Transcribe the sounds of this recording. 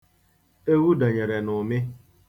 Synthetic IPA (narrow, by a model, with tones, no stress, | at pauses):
e˦wu˦da˨ɲe˨ɾe˨nʊ˨mɪ˦